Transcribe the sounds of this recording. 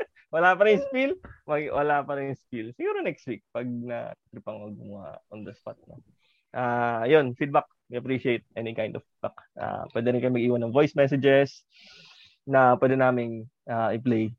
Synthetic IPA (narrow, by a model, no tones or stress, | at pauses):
wɐlapɐɾɪjʊ̃spilmɐɡwɐ̰lapɐɾɪnʊspilsɪɡuːɾonɛkst̪wik̚pɐɡ̚nɐ̰t̪ɾɪpɐŋmɐɡ̚ʊa̰ʔond̪ɐspat̪̚no̰ | ʔaːjonfid̪̚bak̚wiɐpɾiʃɪejt̪̚ʔɛnɪkajnd̪ɔffid̪̚bakʔa̰pwɛd̪ɛɾɪnkɐjmɐɡʔiːwɐnːɐŋvojsmɛsɪd͡ʒɛɹs | nɐpwɛːd̪ɛnaːmɪnʔaʔɪplej